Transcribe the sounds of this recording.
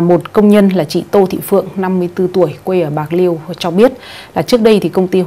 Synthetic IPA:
mo˨˩t̚kə˧wŋ͡mɲə˧nlaː˨˩t͡ɕḭ˧˨t̪o˧t̪ʰḭ˧˨fɨ̰˧˨əŋna˧mːɨ˧əjt̪ɨ˧t̪u˧˩əjkwe˧jʔəː˧˩ɓaː˨˩k̚li˧əwt͡ɕɔ˧ɓi˦˥ət̚laː˨˩t͡ɕɨ˦˥ək̚ɗə˧jt̪ʰi˨˩kə˧wŋ͡mt̪i˧

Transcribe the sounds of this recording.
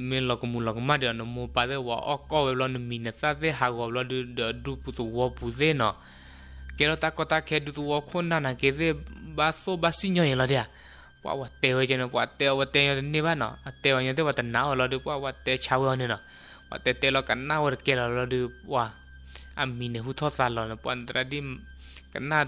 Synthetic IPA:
me˧lɔ˨kɔ˨mu˨lɔ˨kɔ˨mã˦di˧˨ɔ˨nɔ̃˨mo˧pa˧˨ðe˦˧wa̰˨ʔɔ̰˦kɔ˦wɛ˧blɔ˧nɨ˨mĩ˨na˨ta˦ðe˦ɦa˨ɣɔ˨blɔ˧dɨ˧dɔ˨du˧pu˧t̪u˨wɔ˧bu˨ðe˦nɔ˨ | kɛ˧lɔ˧t̪a˦kɔ˧t̪a˧kʰɛ˧du˧t̪u˧wɔ˧kʰo˦nã˧nã˨ke˧ðe˦ba˧θo˦ba˧si˦ɲɔ̃˧jĩ˨lɔ˧di˧˦a˨ | pwa̰˧˨wa˨t̪ɛ˧we˧t͡ʃɔ˧nɛ˧pwa̰˧t̪ɛ˧wa˧t̪ɛ˧˦ɲɔ̃˧t̪ɨ˨nẽ˦βa˦nɔ̰˨a˨t̪ɛ˧wa˨ɲɔ̃˧ðe˦wa˧t̪a˨nã˨˦wɔ˧˨lɔ˧dɨ˧pwa˦wa˧t̪ɛ˧t͡ʃʰa˧we˧ɔ˧nẽ˧nɔ̃˨ | wa̰˨t̪ɛ˧t̪ɛ˧lɔ˧ka˨na˦wa˧ɾɨ˨kɛ˧lɔ˨lɔ˧dɨ˧pa˧ | a̰˨mĩ˨nɛ˨ɦu˦t̪ʰɔ˦θa˧lɔ˨nɛ˨pwa̰˧n˨d̪ɾa˧di˦ | ka˨na˦

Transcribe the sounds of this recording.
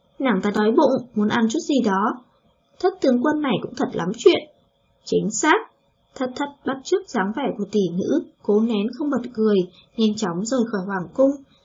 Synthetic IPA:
naː˧˩ŋt̪aː˧ɗɔ˨˦jɓʊ̰˧˨ŋ͡mmu˨˦ənʔa˧˩nt͡ɕu˦˥t̚zi˨˩ɗɔ˨˦ | t̪ʰə˦˥t̚t̪ɨ˨˦əŋkwə˧nːa˨˩jkʊ̰˧˥ŋ͡mt̪ʰə˨˩t̚la˨˦mt͡ɕwḭ˧˨ən | t͡ɕï˨˦ŋ̟saː˦˥k̚ | t̪ʰə˨˩t̚t̪ʰə˧˩t̚ɓa˦˥t̚t͡ɕɨ˦˥ək̚z̥aː˨˦ŋvɛ˧˩ku˧˩ət̪i˧˩ŋɨ̰˧˥ko˨˦nɛ˨˦nxə˧wŋ͡mɓə˨˩t̚kɨ˨˩əj | ŋɛ˧nt͡ɕɔ˨˦wŋ͡mzo˨˩jxɔː˧˩jhwaː˧˩ŋkʊ˧ŋ͡m

